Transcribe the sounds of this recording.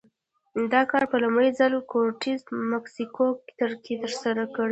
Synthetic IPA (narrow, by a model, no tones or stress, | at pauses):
d̪ɑkɑɾpəlumɽəjzalkoɾʈizmaksikokt̪əɾkit̪əɾsaɾakəɽi